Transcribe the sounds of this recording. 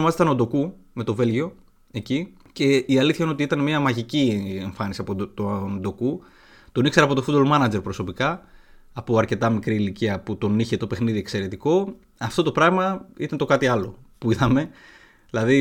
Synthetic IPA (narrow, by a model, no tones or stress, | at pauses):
mɐzt̪ɐnod̪oku | me̞t̪o̞ve̞lʝio̞ | e̞ci | ce̞iɐliθçɐinot̪iit̪ɐnemiɐmɐʝicie̞ɱfɐnisiɐpot̪ond̪o̞ku | t̪o̞nikseɾɐpo̞t̪o̞fut̪̚bolmɐnɐd͡ze̞ɾpɾo̞so̞pikɐː | puɐɾce̞t̪ɐmikɾiːliciɐput̪o̞niçet̪o̞pe̞xniðiekse̞ɾe̞t̪iko̞ | ɐft̪o̞t̪o̞pɾɐɣmɐit̪ɐnt̪o̞kɐt̪iɐlo̞puiðɐme̞ | ðilɐði